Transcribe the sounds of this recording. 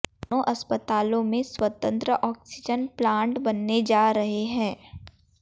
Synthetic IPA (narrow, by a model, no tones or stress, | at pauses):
oʔɐspət̪aːlõmẽswɐt̪ə̃nt̪ɾəʔɔːksɪd͡ʒənplãːɳʈbɐnːed͡ʒaːɾɐɦeɦɛ̃ː